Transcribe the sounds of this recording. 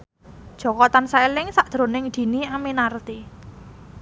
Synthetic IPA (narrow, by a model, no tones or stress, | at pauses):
d̥ʒ̥ɔ̤kɔt̪ansaelɪŋsaʔd̪̥ɾo̤nɪŋd̪̥i̤niaminart̪i